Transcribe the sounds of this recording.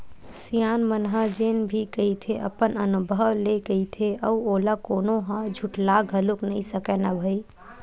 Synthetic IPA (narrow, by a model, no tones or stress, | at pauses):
sijaːnmənɦad͡ʒeːnbʱikəit̪ʰeʔə̰pənənʊbʱəwleɡəit̪ʰeʔəuoːlakoːnoɦãd͡ʒʱuʈlaːɡʱɦəluknəɦĩsəkɛnabʱəi